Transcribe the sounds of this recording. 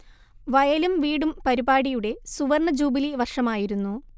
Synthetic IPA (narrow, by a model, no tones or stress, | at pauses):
ʋɐjɐlumʋiːɽumpɐɾibaːɽijuɽe̞suʋɐrɳɐd͡ʑuːbiliʋɐrʂɐmaːjiɾunːu